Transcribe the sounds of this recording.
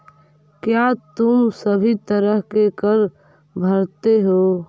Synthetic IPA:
kjat̪ʊmsəbʱit̪əɾəɦkekəɾ | bʱəɾt̪eɦoː

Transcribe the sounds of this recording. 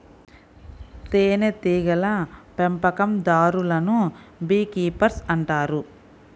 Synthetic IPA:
t̪eːnet̪iːɡɐlɐpempɐkɐmd̪aːɾulɐnubiːkiːpɐɾsɐɳʈaːɾu

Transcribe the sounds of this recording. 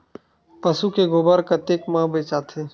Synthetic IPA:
pəsukeɡʊbəɾkat̪ekmãːbeːt͡ʃaːt̪ʰeː

